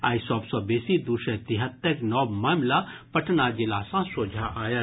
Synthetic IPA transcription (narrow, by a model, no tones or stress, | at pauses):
a̰ːisɔːbsɔːbeːsid̪uʃət̪ɪɦət̪ːəɾnɔːbmaːmlapɐʈʰnad͡ʒɪlaːsãsoːd͡ʒʱaʔaːja